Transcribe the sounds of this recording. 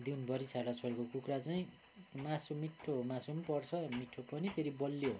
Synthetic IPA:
d̪inbʱʌɾisʰaɽat͡sʰoɾekokukrat͡saĩ | masumiʈʰːomasumpʌrt͡sʰʌmiʈʰːopʌnit̪ʰeɾibʌlːjo

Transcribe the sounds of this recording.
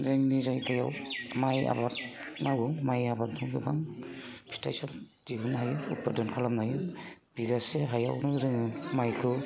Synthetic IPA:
zeŋnizajkʰaja̰wmaja̰batnawɯmajabatnɔŋɡɯbaŋpʰi̥ta̰jsad̥iɦunɦajɯṵpadɔnkʰalamnajɯb̥iɡaseɦaja̰wnɯzɯŋɯmajkʰɯ

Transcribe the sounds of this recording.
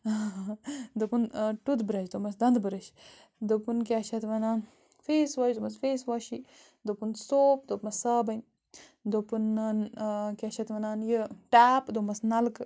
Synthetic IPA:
d̪opunʈud̪bɨɾɐʃd̪omɐsd̪ɐnd̪bɨɾɐʃ | d̪opunkʲaːʃɐt̪ʋɐnaːn | feːsʋaʃd̪omɐsfeːsʋaːʃi | d̪opunsoːp̚d̪opmɐssaːbɐn | d̪opunːankʲaʃɐt̪ʋɐnaːnjəʈaːpd̪omɐsnɐlk

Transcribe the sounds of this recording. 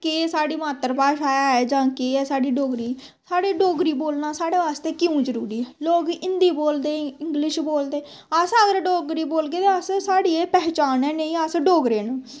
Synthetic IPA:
keːsaːɽiːmaːt̪ːəɾpaːʃaːjaɛːd͡ʒãːkeːɛsaːɖiːɖoːɡɾiː | saːɽiːɖoːɡɾiːboːlnaːsaːɽeːʋaːst̪eːkɪũːd͡ʒəɾuːɾiːɛːloːɡɪnd̪iːboːld̪eːɪŋɡlɪʃboːld̪eː | əsəɡəɾɖoːɡɾiːboːlɡeːt̪eəssaːɽiːeːpɛːt͡ʃaːnɛːneĩːəsɖoːɡɾeːnũː

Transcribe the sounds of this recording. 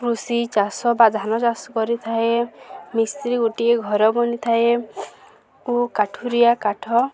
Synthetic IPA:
kɾusit͡ʃasɔbad̪ʱanɔt͡ʃasɔkɔɾit̪ʰaemisɾiɡoʈieɡʱɔɾɔbɔnit̪ʰae | ukaʈʰuɾijakaʈʰɔ

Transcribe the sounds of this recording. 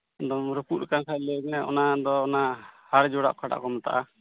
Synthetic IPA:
d̪ɔmɾəpuɾ̚kaŋkʰaʔləɡɛʔɔ̰nad̪ɔːnahaɾd͡ʒɔɽa̰ʔkʰaʈa̰ʔkɔmat̪a̰ʔa

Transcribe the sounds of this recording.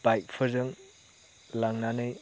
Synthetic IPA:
b̥ajk̚pʰɐzɯŋ | laŋnanɯj

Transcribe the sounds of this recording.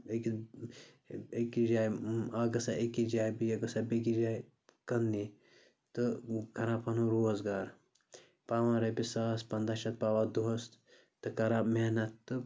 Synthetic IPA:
eki | ekid͡ʒaːjaɡɐsaʔekid͡ʒaːjbiɐɡɐsabeɡid͡ʒaːj | kɐndi | t̪ɨkɐɾapɐnuɾoːzɡaːɾ | paːʋãɾɐpisaːspɐnd̪aʃɐt̪̚paːʋad̪oɦɐst̪ | t̪ɨkɐɾameɦnɐt̪ːɨ

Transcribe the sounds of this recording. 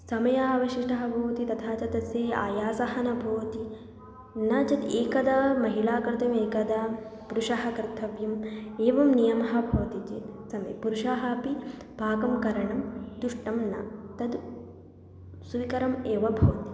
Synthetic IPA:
sɐmɐjaːʋɐʃiʂʈɐɦɐbʱoːt̪it̪ɐt̪ʰaːt͡ʃɐt̪ɐseːa̰ːjaːsɐɦɐnɐbʱɐːt̪i | nɐt͡ʃɐt̪eːkɐd̪ɐmɐɦilaːkɐɾt̪ɐmeːkɐd̪apuɾuʃaɦɐkɾɪt̪ʰɐʋjɐmeːʋɐmnijɐmɐɦɐbʱɐːt̪it͡ʃit̪sɐmɐ̰jpuɾuʃaːɦɐpi | bʱaːkɐmkɐɾɐɳɐmd̪uʂʈɐmnɐ̰t̪ɐd̪ | suʋikɐɾɐmeːʋɐbʱoːt̪i̥

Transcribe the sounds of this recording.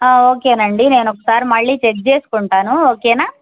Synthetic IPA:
ao̞ːke̞ːnɐɳɖine̞ːnɔkːɐ̥saːɾimɐɭːiːt͡ʃek̚t͡ʃe̞ːsu̥kuɳʈaːnuoːkeːnaː

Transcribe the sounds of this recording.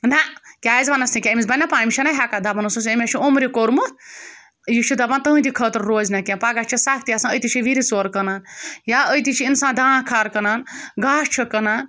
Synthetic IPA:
nakʲaːjizʋanɐsnikʲamisbanːapaːmʲit͡ʃʰɐnaɦʲakad̪abɐnususɐmʲet͡ʃʰiomɾikoɾmɨt̪̚ʰ | jit͡ʃʰid̪abant̪ɐɦɨ̃nt̪ikʰət̪ɾːoːznakʲẽpaɡaʃt͡ʃʰisakʰt̪ijasãəjt̪it͡ʃʰiʋiɾisoɾkɐnaːnjaəjt̪it͡ʃʰiinsãːd̪ãːkʰaːɾkɐnaːnɡaːʂt͡ʃʰikɐnaːn

